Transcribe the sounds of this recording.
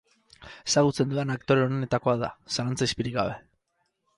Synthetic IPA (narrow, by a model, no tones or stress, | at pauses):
e̞saɣ̞ut͡se̞nd̪uenakt̪o̞ɾe̞o̞ne̞t̪ako̞aða̰salant͡saispiɾiɡɡaβe̞